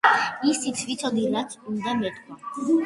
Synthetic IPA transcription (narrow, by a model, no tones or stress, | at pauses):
isit̪sʰvit̪sʰɔd̪ilat̪sʰund̪amɛt̪ʼkʰʼɔ